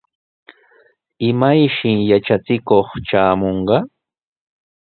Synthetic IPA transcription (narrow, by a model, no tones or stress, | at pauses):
ɪmajʃɪjat͡ʃat͡sɪkoχt͡ʃaːmoɴɢɑ